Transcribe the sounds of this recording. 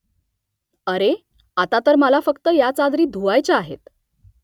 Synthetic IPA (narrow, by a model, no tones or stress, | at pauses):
əɾe | at̪at̪əɾməlafəkt̪əjat͡sad̪ɾiːd̪ʱuajt͡ɕaaɦḛt̪